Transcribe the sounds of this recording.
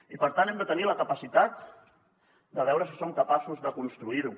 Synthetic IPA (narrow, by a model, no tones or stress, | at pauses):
ipəɾt̪anɛmd̪ət̪əniləkəpəsit̪at̪ | d̪əβ̞ɛwɾəsisoŋkəpasuzðəkunst̪ɾuiɾu